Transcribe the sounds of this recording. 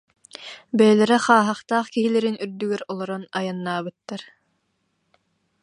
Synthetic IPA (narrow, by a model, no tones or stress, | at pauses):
bɛlɛɾɛχaːɦaχt̪aːχkiɦilɛɾinyɾd̪yɡɛɾɔlˠɔɾɔnajanːaːbɯt̪ːaɾ